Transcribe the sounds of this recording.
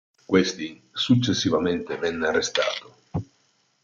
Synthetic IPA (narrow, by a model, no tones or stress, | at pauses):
kwest̪i | sut͡ʃːesːivament̪evɛnːearːest̪a̰ːt̪o